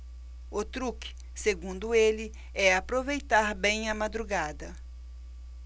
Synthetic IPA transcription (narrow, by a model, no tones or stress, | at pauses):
ot̪ɾuk | seɡũnd̪ʊelɪ | ɛapɾovejt̪aɾbẽj̃ɐmad̪ɾuɡad̪ɐ